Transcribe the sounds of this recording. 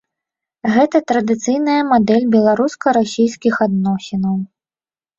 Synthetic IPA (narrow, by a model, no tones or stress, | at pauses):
ɣɛt̪ɐt̪ɾɐd̪ɨt̪sɨjnɐjɐmad̪ɛlʲbʲɛlˠaɾuskɐɾasʲijskʲixad̪nɔsʲinɐw